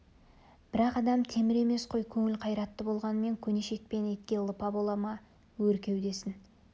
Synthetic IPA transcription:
b̥ɪɾɑqɑd̪ɑmt̪ʰe̞mɪɾe̞me̞sqʰo̞jkʲʰɵŋɪlqʰɑjɾɑt̪ːəbo̞lˠʁɑnəme̞ŋkʲʰɵne̞ʃe̞k̚pe̞net̪̚kʲe̞lˠəpɑbolˠɑmɑ | wɵɾkʲe̞wd̪e̞sɪn

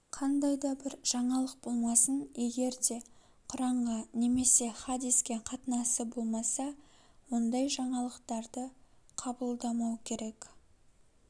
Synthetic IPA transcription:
qʰɑnd̪ɑjd̪ɑbɪɾʒ̥ɑɴɑlˠəq̚bo̞lˠmɑsəne̞ɡʲe̞ɾd̪e̞ | qʰʊɾɑɴʁɑne̞me̞se̞χad̪iskʲe̞qʰɑt̪ənɑsəbo̞lˠmɑsɑ | wo̞nd̪ɑjʒɑɴɑlˠəqt̪ɑɾd̪əqʰɑbəlˠd̪ɑmɑwkʲʰe̞ɾe̞k

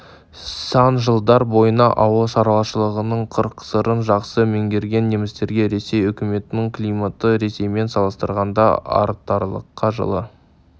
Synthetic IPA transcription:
sɑnʒəlˠd̪ɑɾbo̞jənɑʔɑwəlˠʃɑɾɑlˠɑʃəlˠəʁənəɴqʰəɾqsəɾənʒɑqsəme̞ŋɡʲe̞ɾɡʲe̞nːe̞mɪst̪e̞ɾɡʲe̞ɾe̞se̞jʏkʲɪme̞t̪ɪnɪŋklˠijmat̪əɾe̞se̞jme̞nsɑlˠəst̪əɾʁɑnd̪ɑ̰ɑ̰ɾt̪ɑɾlˠə̰qːɑʒə̰lˠə̰

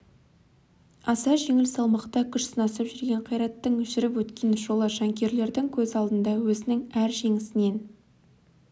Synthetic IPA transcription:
ɑsɑʒe̞ŋɪlsɑlˠmɑqt̪ɑkʲʰʏʃsənɑsɑpʒʏɾɡʲe̞ɴqʰɑjɾɑt̪ːəɴʏʒɪɾɪpwɵt̪kʲe̞nʒo̞lˠəʒɑŋkʲe̞ɾle̞ɾd̪ɪŋkʲʰɵzɑlˠd̪ənd̪ɑwɵzɪnɪŋæɾʒe̞ŋɪsɪne̞n

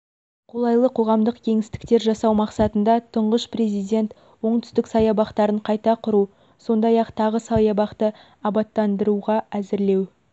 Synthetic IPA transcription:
qʰo̞lˠɑjlˠəqʰo̞ʁɑmd̪əqkʲʰe̞ŋɪst̪ɪ̥k̚t̪e̞ɾʒɑsɑwmɑqsɑt̪ənd̪ɑt̪ʰəɴʁəʃpre̞zijd̪ʲe̞nt̪ | wo̞ɴt̪ʏ̥st̪ɪksɑjɑbɑqt̪ɑɾəɴqʰɑjt̪ɑqʰʊɾu | so̞nd̪ɑjɑqt̪ʰɑʁəsɑjɑbɑqt̪ə | ɑbɑt̪ːɑnd̪əɾuʁɑæzɪɾle̞w

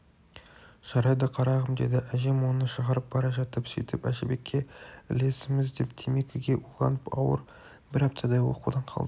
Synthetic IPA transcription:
ʒ̥ɑɾɑjd̪ɑqʰɑɾɑʁəmd̪e̞̰d̪ɪʔæʒe̞mwo̞nəʃəʁɑɾəp̚b̥ɑɾɑʒɑt̪əpsɵjt̪ɪpæʃebe̞kʲʰːe̞ɪ̰le̞sɪmɪzd̪e̞p̚t̪ʰeme̞kʲɪɡʲe̞ʔulˠɑ̰nəpɑ̰wə̰ɾ | bɪɾɑp̚t̪ʰɑd̪ɑjwo̰qṵd̪ɑɴqʰɑ̰lˠd̪ə

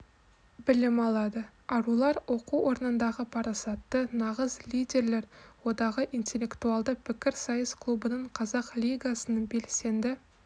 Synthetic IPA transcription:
bɪlɪmɑlˠɑd̪ə | ɑɾulˠɑɾwo̞quwo̞ɾnənd̪ɑʁəpʰɑɾɑsɑt̪ːənɑʁəzlʲijd̪ʲe̞ɾle̞ɾwo̞d̪ɑʁəʔijnt̪ʲe̞lʲːe̞kt̪uɑlˠd̪əpʰɪkʲɪɾsɑjəskʰlˠubənəɴqʰɑzɑqlʲijɡasənəɴbe̞lse̞nd̪ɪ

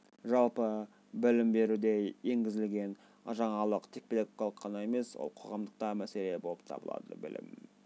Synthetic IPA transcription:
ʒɑlˠpə | bɪlɪmbe̞ɾud̪ee̞ŋɡʲɪzɪlɡʲe̞n | ɑ̰ʒɑɴɑlˠəqt̪ʰe̞k̚peeɡkɑlˠəqʰːɑnɑe̞me̞swo̰lˠqʰo̞̰ʁɑmd̪əq̚t̪ɑmæse̞lebo̞lˠəp̚t̪ʰɑ̰bəlˠɑ̰d̪ə̰bɪ̰lɪ̰m

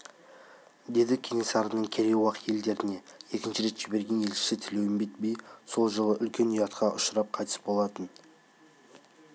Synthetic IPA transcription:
d̪e̞d̪ɪkʲʰe̞ŋe̞sɑɾənəɴkʲʰe̞ɾʲewɑqje̞ld̪e̞ɾɪne̞e̞kʲɪnʃɪɾe̞t̪ʒ̥ɪbe̞ɾɡʲe̞nje̞lʃɪ̥sɪt̪ʰɪlewɪmbet̪̚bejso̞lˠʒəlˠəʔʏlkʲe̞nijɑt̪qʰɑʔʊʃəɾɑp̚qʰɑjt̪ə̥sbo̞lˠɑt̪ən

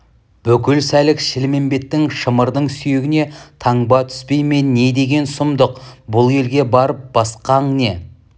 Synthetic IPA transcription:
b̥ʏkʲɪlsælɪkʃɪlme̞mbe̞t̪ːɪŋʃəməɾd̪əɴsyjeɡʲɪne̞t̪ʰɑɴbɑt̪ʰʏ̥spe̞jme̞ːe̞d̪e̞ɡʲe̞nsʊmd̪əqbʊlˠje̞lɡʲe̞bɑɾəp̚b̥ɑsqɑɴne̞

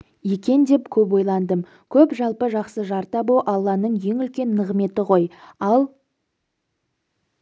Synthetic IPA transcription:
jekʲe̞nd̪e̞pkʲʰɵp̬wo̞jlˠɑnd̪əm | kʲʰɵpʒɑlˠpəʒɑqsəʒɑɾt̪ɑboʔɑlˠːɑnəɴje̞ŋʏlkʲe̞nːəʁme̞t̪ɪʁo̞jɑlˠ

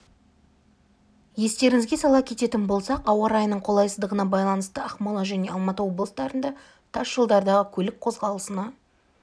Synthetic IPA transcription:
je̞st̪e̞ɾɪŋɪzɡʲe̞sɑlˠɑpkʲʰe̞t̪e̞t̪ɪnbo̞lˠsɑqɑwɑɾɑjənəɴqʰo̞lˠɑjsəzd̪əʁənɑbɑjlˠɑnəst̪əɑχmɑlˠɑʒæne̞ɑlˠmɑt̪əwo̞blˠəsd̪ɑɾənd̪ɑ | t̪ʰɑsʒ̥əlˠd̪ɑɾd̪ɑʁəkʲʰɵlɪk̚qʰo̞zʁɑlˠəsənɑ

